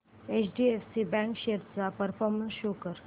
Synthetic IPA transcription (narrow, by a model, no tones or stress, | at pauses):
et͡ɕɖiefsibɛ̃ŋkɕeɾt͡sapəɾfɔɾmənsɕokəɾ